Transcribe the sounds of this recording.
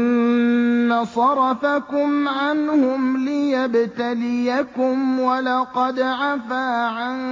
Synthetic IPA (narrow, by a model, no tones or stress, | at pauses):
asˤɑɾˤɑfakʊmʕanhʊmlɪjabt̪alɪjakʊmwalɑqɑd̪ʕafaːʕan